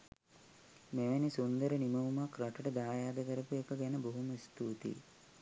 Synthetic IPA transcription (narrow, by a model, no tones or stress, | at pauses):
meʋænisund̪əɾəniməumakɾaʈəʈəd̪aːjaːd̪əkəɾəpuekəɡɛnəboɦuməst̪uːt̪ḭ